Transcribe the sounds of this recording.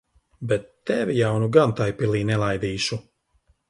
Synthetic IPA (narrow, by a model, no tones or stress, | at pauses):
bɛt̪ːɛvʲijawnuɡant̪ajpilˠiːnɛlˠajd̪iːʃu